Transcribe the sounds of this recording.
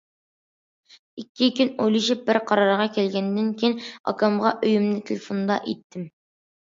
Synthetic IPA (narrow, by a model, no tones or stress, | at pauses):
ikʲːɪkʲɘnojlˠiʃɪp̚bɪɾqɑɾɑɾʁɑkʲælɡʲænd̪æŋkʲenɒ̰kɑmʁɑʔɵjɵ̆mnɪt̪ʰɪlʲɪfond̪ɑ̰ʔit̪ːɪm